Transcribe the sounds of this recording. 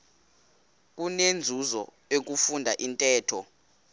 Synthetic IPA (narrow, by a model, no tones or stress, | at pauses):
k̬unend͡zʱuzɔ̰ | ek̬ufundʱaʔintʼɛːtʰɔ